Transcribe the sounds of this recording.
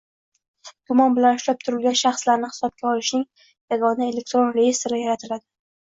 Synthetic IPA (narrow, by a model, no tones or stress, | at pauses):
ɡʊmɒnbɪlanʊʃlap̚t̪ʰʊɾɪlɡʲanʃaχslaɾnɪhɪ̥sɒb̚ɡʲaɒlɪʃnɪŋ | jaɡɒnae̞lek̚t̪ɾo̞nɾejest̪ɾɪjaɾat̪ʰɪlad̪ɪ